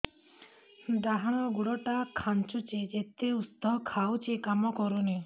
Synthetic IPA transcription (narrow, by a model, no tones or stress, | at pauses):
d̪aɦaɽ̃ɔɡuɽɔʈakʰant͡ʃut͡ʃed͡ʒet̪eust̪ɔɦɔkʰawt͡ʃikamɔkɔɾune